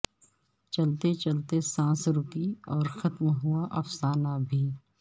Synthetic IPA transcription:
t͡ʃɐlt̪et͡ʃɐlt̪esãːsɾʊkiɔːɾxɐt̪mɦʊaʔɐfsaːnabʱiː

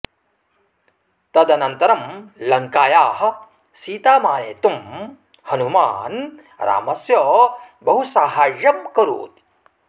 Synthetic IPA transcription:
t̪ɐd̪ɐnɐnt̪ɐɾɐmlɐŋkaːjaːɦɐ̆ | siːt̪aːmaːneːt̪um | hɐnumaːn | ɾa̰ːmɐsjɐ | bɐɦusaːɦaːʒɐmkɐɾṵːt̪i̥

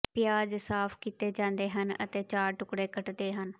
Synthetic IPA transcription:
pɪjaːd͡ʒsaːpʰkiːt̪eːd͡ʒãːnd̪eːɦənə̰t̪eːt͡ʃaːɾʈʊkɽeːkəʈd̪eːɦən

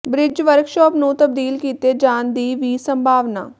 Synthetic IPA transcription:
bɾɪd͡ʒʋəɾkʃɔːpnũːt̪əb̚d̪iːlkiːt̪eːd͡ʒaːnd̪iːʋiːsəmbʱaːʋna̰ː

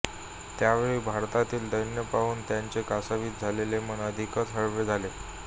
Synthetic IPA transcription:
t̪jaʋeɭiːbʱaɾt̪at̪iːld̪əjnjəpaʋuːnt̪jaɲt͡sekasaʋiːt̪̚d͡zʱaleleməɳəd̪ʱikət̪ɦəɭʋed͡zʱale

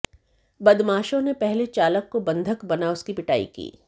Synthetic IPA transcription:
bɐd̪maːʃõnepɛɦlet͡ʃaːləkːobɐ̃nd̪ʱəkbɐnaʊskipɪʈa̰ːḭkḭː

